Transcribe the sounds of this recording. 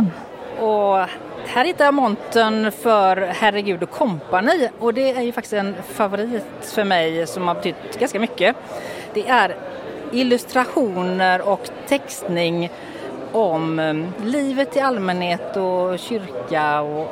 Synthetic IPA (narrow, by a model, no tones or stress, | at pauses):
ɔ | hæːɾhɪt̪ːaɾjɑmɔnt̪ənfœɾhæɾəɡʉ̟ːd̪ɔkʰːɔmpaniːɔd̪ɛæɾjɵfak̚t̪ɪ̥st̪ɛnfavʊɾiːt̪ | fœɾmɛjsɔmhaɾbɛt̪ʰʏt̪ːɡanskamʏkːə | d̪̥ɛʔæɾɪlːɵst̪ɾaɧuːnəɾɔk | t̪ʰɛkst̪nɪŋ | ɔmliːvət̪ʰːɪlalmɛnheːt̪ɔɕʏɾkaɔ